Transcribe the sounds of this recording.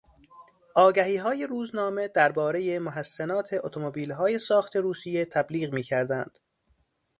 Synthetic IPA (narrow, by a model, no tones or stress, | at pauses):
ʔɒːɡæhiːɦɒːje̞ɾuːznɒːme̞d̪æɾbɒːɾejemoɦæsːenɒːt̪ʰe̞ʔot̪ʰomobiːlɦɒːje̞sɒːxt̪ʰe̞ɾuːsijet̪ʰæbliːɣmiːcʰæɾd̪ænd̪̥